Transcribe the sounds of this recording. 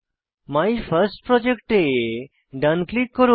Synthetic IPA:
majfʰəɾsʈ̚pɾɔd͡ʒekʈe | ɖanklikːɔɾo

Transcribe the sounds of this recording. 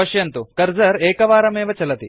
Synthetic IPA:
ɐʂjɐnt̪ukɐɾd͡ʒɐɾɛːkɐʋaːɾɐmɛːʋɐt͡ʃɐlɐt̪i

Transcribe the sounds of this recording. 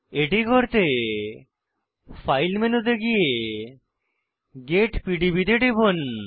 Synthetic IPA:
eʈikoɾt̪e | fajlmenod̪eɡije | ɡeʈpiɖibid̪eʈebon

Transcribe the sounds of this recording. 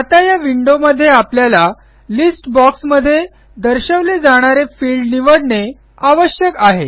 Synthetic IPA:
at̪ajaʋiɳɖoməd̪ʱːjeapljala | lisʈbɔksməd̪ʱːje | d̪əɾɕəʋled͡zaɽ̃aɾefiɭɖniʋəɽne | aʋəɕjəkaɦe

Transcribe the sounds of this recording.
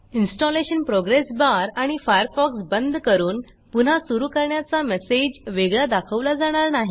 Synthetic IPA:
insʈɔleɕənpɾɔɡɾesbaɾaɽ̃ifajəɾfɔksbənd̪ʱkəɾuːn | pun̤asuɾuːkəɾɳjat͡samesed͡ʑʋeɡɭjad̪akʰəʋlad͡zaɽ̃aɾnaɦi

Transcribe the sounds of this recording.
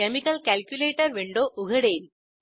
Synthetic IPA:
ɛmɪkɐlkɐlkjʊleːʈːɐɾʋeɳɖoːʔʊɣɐɽeːl

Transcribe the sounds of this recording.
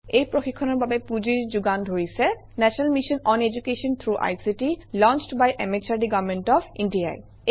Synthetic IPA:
ejpɹoxikʰːɔnɔɹbabepud͡ʑiɹd͡ʑuɡandʱoɹisɛ | nɛsɔnalmiʃɔnɔned͡ʑukeʃɔnt̪ʰɹuʔa̰jsiʈilɔnt͡ʃʈbajʔemet͡ʃaɹɖiɡavmenʈɔpʰindia̰j

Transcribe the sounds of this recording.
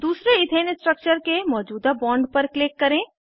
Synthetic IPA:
d̪uːsɾeɪt̪eːnsʈɾək̚t͡ʃəɾkemɔːd͡ʒuːd̪abɔːɳɖpɐɾklɪkːɐɾẽː

